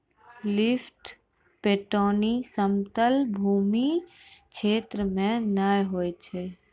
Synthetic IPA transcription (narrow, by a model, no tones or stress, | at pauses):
lɪfʈ | peːʈoːnisəmt̪əlbʱuːmi | kʃʰeːt̪ɾəmẽnajɦoːjt͡ʃʰeː